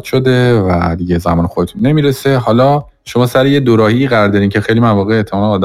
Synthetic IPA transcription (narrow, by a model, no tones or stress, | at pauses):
d̪ʃo̞d̪e̞væ̰d̪iɟe̞zæmɒːnexod̪et̪ʰunːe̞miːɾesehɒːlɒː | ʃo̞mɒːsæɾejed̪oɾɒːhiːɣæɾɒːɾd̪ɒɾiːncʰexe̞jlimænvɒːɣeːʔt̪ʰːemɒːneːd̪æ